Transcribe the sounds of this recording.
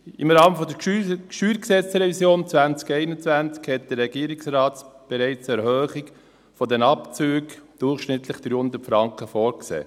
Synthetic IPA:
ɪmɾɑːməfɔdəʃyːɾksɛt͡sɾɛvisjoːnt͡svænt͡skɛɪnət͡svænt͡skhɛt̚d̥ərːɛɡiːɾɪksrɑːtb̥ɛɾɛɪt͡sɛɾhøːχɪk | fɔdɛnɑpt͡søːɡd̥ʊrχʃnɪt̪lɪχd̥ɾyːhʊnd̪əɾtfɾɑŋkəfɔːɾksḛː

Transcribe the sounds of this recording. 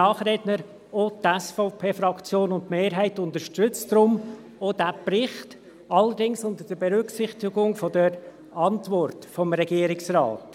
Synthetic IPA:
ɑːχɾednəɾ | otɛsfɔʊpʰeːfɾɑkt͡sjoːnʊntmeːɾɦɛɪtʊndəʃtʏt͡stɾʊm | odæprɪχt | ɑləɾdɪŋsʊnd̪əd̥əbɛɾʏksɪχtɪɡʊŋfɔdəɾ | ɑntvɔrtfɔmɾɛɡ̥iːɾɪksrɑ̰ːt

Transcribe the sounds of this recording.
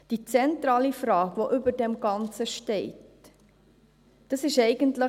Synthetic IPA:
d̥it͡sɛntɾɑːlifɾɑːkʋoʔʏbədɛmɡɑnt͡səʃtɛɪt | d̥ɑsɪʃɛɪɡəntlə

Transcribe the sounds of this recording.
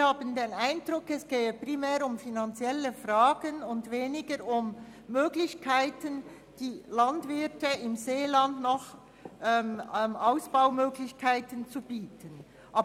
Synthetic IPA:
haːbəndeːnaɪndɾʊkɛsɡ̥eːəpʁimɛːɾʊmfinant͡sjɛləfraːɡ̥ənʊndveːnɪɡəɾʊmː | øːɡlɪçkʰaɪtən | d̥iːlɑndvɪtəɪmzeːlandnɔχ | ʔɛmmʔaʊsb̥aʊmøːɡlɪçkʰaɪtənt͡sub̥iːtʰən | ʔaː

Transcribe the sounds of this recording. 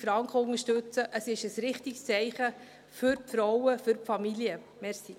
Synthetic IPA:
fɾɑŋkχəʊŋəʃtɵt͡səʔəsɪʃəsɾɪχtikst͡sɛɪχə | fʏɾpfɾɔwəfʏɾpfɑmilijə | mɛɾsi

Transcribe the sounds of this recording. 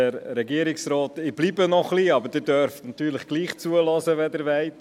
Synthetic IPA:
ɛɾɾɛɡiəɾɪksɾɔːtɪb̥liːbənɔχliɑbəɾd̥ɪɾdøɾftnɑtyːɾləχɡ̥liːχt͡suəlɔzəʋɛdɪɾʋɛɪt

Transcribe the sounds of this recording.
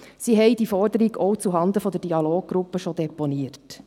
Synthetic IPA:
siːɦɛɪd̥̪ifɔrdəɾiɡɔwt͡suɦɑnd̪əfɔd̪əɾd̥iɑloːɡ̚ɡ̥ɾupːəʃɔd̪ɛponiəɾt

